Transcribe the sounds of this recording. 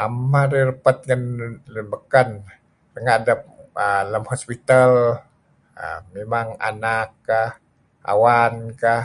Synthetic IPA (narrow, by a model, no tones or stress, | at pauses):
amaɾirəpat̪̚ŋanlbəkan | rəŋaʔdap̚ələmhospit̪al | ə̰memaŋa̰nakːah | ʔa̰wankah